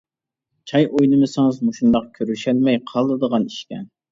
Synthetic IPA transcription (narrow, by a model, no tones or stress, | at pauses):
t͡ʃʰɑjʔojnɨmɨsɨŋɨzmuʃund̪ɑq̚kʲʰøɾyʃælmɛjqʰɑlˠd̪ɨd̪əʁɑniʃkʲɛn